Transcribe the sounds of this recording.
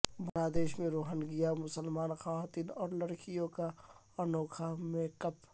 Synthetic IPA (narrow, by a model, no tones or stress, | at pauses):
bɐnaːd̪eːʃmẽɾoːɦənɡɪjamʊsəlmaːnxaːʋaːt̪iːnɔːɾləɽkijõka | ənɔːkʰamẽkɐp